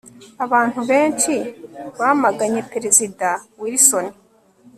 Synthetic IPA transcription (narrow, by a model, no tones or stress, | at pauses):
aβaːn̥huβe̞ːnt͡ʃiβamaɡaɲe̞peɾe̞zidawiɾiso̞ni